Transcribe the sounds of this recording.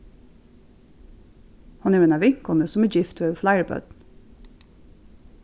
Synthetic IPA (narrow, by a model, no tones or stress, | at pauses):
hɑnæːeːnɑʋɪŋkɔnəsɔmæːd͡ʒɪft̪ʋeflæɪəɹbœ̰d̪n̩